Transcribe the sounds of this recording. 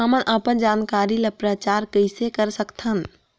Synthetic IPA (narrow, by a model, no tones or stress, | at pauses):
əmənʔəpənd͡ʒaːnkaːɾilepɾət͡ʃaːɾkəɪsekəɾsəkt̪ʰən